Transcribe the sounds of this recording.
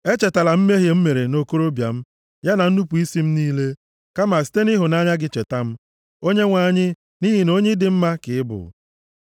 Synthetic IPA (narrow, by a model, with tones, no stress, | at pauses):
e˦t͡ʃe˨ta˨la˨m̩˦me˦ɦje˨m̩˦me˨ɾe˨no˨ko˦ɾo˦bja˨m̩˦ | ja˦na˨n̩˦nu˦pu˨i˦si˦m̩˦niː˦le˦ | ka˦ma˨si̥˦te˦ni˦ɦʊ˨na˦ɲa˦ɡɪ˦t͡ʃe˨ta˦m̩˦ | o˦ɲe˦ŋʷa˨ɲɪ˦ | ni˦ɦi˨no˦ɲɪ˦dɪ˨m̩˦ma˦kɪ˨ɪ˦bʊ̰˨